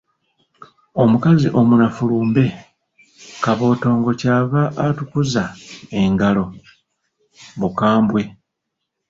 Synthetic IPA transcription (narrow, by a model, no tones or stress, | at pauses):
o̞mukaziʔo̞munafuluːmbe̞ | kaβo̞ːto̞ːŋɡo̞caːβaʔːtukuzae̞ŋɡalo̞ | βukaːmbwe̞